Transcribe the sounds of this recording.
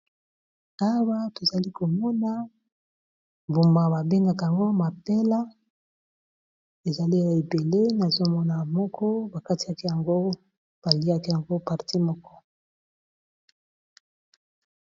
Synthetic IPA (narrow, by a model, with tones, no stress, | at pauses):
a˦wa˦to˨za˨li˦ko˨mɔ˦na˦ | mbu˨mba˨ba˨be˦ŋɡa˨ka˨a˨ŋɡo˦ma˨pe˦la˦ | e˨za˨li˦ja˨e˨be˨le˦na˨zo˦mɔ˦na˨mɔ˦kʰɔ˦ba˨ka˦ti˨a˦ki˦ja˨ŋɡo˦ | b̥a˨li˦a˦ki˦ja˨ŋɡo˦pa˨ʁti˦mɔ˦kɔ˦